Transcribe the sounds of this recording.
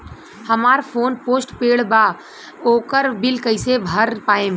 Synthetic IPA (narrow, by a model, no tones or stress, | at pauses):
həmaːɾpʰoːnpoːsʈpeːɽbaː | oːkəɾbɪlkəɪsebʱəɾpaːẽ